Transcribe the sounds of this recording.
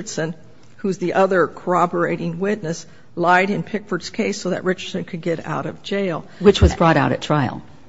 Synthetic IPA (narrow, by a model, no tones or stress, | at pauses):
ə˞d̥sɨ̃n | huzðiʔʌðə˞kʰə˞ɑbə˞eɪɾɪ̃ŋwɪtⁿnɨs | laɪɾɨ̃npʰɪkfə˞dskʰeɪsoʊðɨ̰ʔ̚ɹɪt͡ʃə˞d̥sɨ̃nkʰɨd̚ɡɛɾa̰ʊɾʌvd͡ʒeɪlˠwɨt͡ʃwʌzbɹɔɾaʊɾɨtʰɹ̥aɪl̩ˠ